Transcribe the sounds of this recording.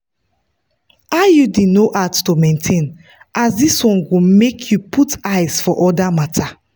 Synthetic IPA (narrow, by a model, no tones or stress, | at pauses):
ajudenoʔattomɛ̃ntʰẽn | ʔasdiswɔ̃nɡomekʰjupʰutaɪz̥fɔʔɔdamatʰa